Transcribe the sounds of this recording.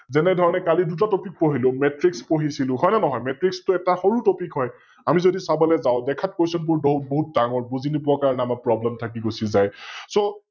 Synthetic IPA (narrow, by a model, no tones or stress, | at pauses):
zɛnɛdʱɔɹɔnɛkalidut̬atopik̚poɦilʊ̃mɛtɹikspoɦisilʊ̃ɦɔjnɛnɔɦɔjmɛtɹikstʊɛtaxoɹutopikɦɔj | amizodisabɔlɛzaʊ̃dɛkʰat̚kojsɔnp̬ʊɹboɦut̚boɦut̚daŋɔɹbuzinibʊakaɹɔnɛamak̚pɹɔblɛmtʰak̬iɡosizajso